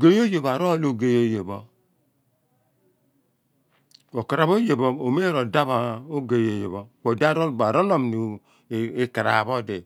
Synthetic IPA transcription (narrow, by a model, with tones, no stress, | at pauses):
ɡe˦jo˦je˨ba˨ɾo˦lo˨ɡe˦jo˦je˨bɔ˦ | o˨ka˨ɾa˨βo˦je˨bo˦o˨me˦ɾo˨da˦βa˨o˦ɡe˨jo˨je˨βo˦wo˨da˦ɾo˦˨ba˨ɾo˦lo˦˨mni˨ | e˦ka˨ɾa̰˨βɔ˦de˨